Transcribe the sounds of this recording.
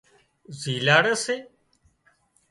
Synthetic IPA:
ziːlaːɽəseː

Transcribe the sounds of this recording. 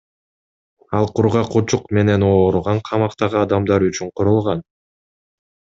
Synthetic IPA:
ɑlˠqʰuɾʁɑqʰut͡ʃuqme̞ne̞noːɾuʁɑɴqʰɑmɑqt̪ɑʁɯɑd̪ɑmd̪ɑɾyt͡ʃyɴqʰoɾulˠʁɑn

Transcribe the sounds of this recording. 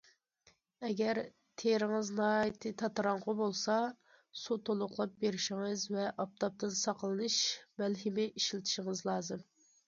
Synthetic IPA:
ɛɡʲɛɾ | t̪ʰeɾɪŋɨznɑːjjt̪ʰɨt̪ʰɑt̪ɾɑŋʁʊbolˠsɑ | sut̪ʰolˠʊqlˠɑp̚beɾɪʃɪŋɨzvɛʔɑp̚t̪ʰɑp̚t̪ʰɨnsɑqlˠɨnɨʃmælɦɪmɪʔiʃlɪt̪ʰɪ̥ʃɪŋɨzlˠɑːzɨm

